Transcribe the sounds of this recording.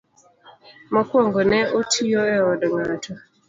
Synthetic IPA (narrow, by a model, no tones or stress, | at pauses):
mɔkwɔŋɡɔnɛotʰioɛɔdɔŋatʰɔ